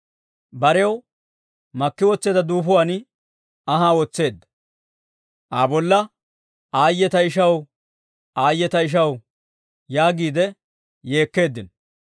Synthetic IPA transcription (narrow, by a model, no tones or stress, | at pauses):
bɐɾɛw | mɐkːɪwɔt͡sːeːd̪ɐd̪uːfʊwaːn | ɐɦaːwɔt͡sːe̞ːd̪ːɐ̥ | ʔaːbɔlːɐ | aːjːɛt̪ɐɪʃ̬ɐw | aːjːɛt̪ɐɪʃ̬ɐw | jaːɡiːd̪ɛ | je̞ːkːe̞ːd̪ːɪn